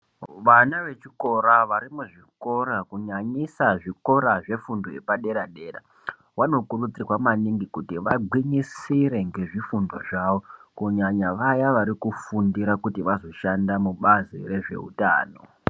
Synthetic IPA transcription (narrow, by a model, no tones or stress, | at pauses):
ʋanaʋe̞t͡ʃiko̞ɾaʋaɾimuʐiko̞ɾakuɲaɲisaʐiko̞ɾaʐe̞fundoepaɗe̞ɾaɗe̞ra̰ | wano̞kurut͡sirwamaniŋɡikutiʋaɡʱwiɲisiɾe̞ŋɡe̞ʐifundo̞̰ʐaʋo̞kuɲaɲaʋajaʋaɾikufundiɾakutiʋazo̞ʃandamuɓazḭre̞ʐe̞̰ṵta̰ːno̞̰